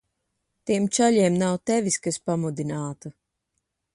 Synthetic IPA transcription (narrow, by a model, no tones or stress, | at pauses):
t̪iɛmt͡ʃaʎʲiɛmnawt̪ɛviskaspamud̪inaːt̪u